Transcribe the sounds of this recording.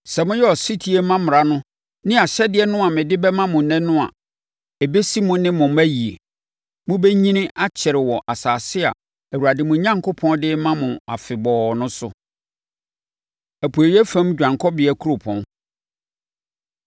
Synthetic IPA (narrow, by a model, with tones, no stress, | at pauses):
sɛ˨mʊ̃˦jɛ˦ɔ˨si˦tʰi˦e˦mã˦mʊ̃˨ɾa˨nʊ̃˦ | nɪ̃˦a˨ɕɛ˦dɪ˦ɛ˦nʊ̃˦a˨mɪ̃˨dɪ˦bɛ˦mã˦mʊ̃˨nɛ̃˦nʊ̃˦a̰˨ | ɛ˨be˦si˦mʊ̃˦nɪ̃˦mʊ̃˨mæ˦ji˨e˨ | mʊ̃˦be˦ɲĩ˦nɪ̃˦ʔa˦t͡ɕʰɛ˨ɾɪ˨wɔ˨ʔa˨saː˨sɪ˦a̰˨ | æ˨wu˨a˨dɪ˨mʊ̃˨ɲã˦ŋkʰo˦pʰɔ̃˦ndɪ˦mã˦mʊ̃˨a̰˨fɪ˨bɔː˨nʊ̃˦sʊ̰˨ | æ˨pʰu˨e˨i˦ɛ˦fæ̃˦m˦d͡ʑᶣã˨ŋkʰɔ˦bɪ˨˦ɛ˦kʰu˦ɾo˨pʰɔ̃˦n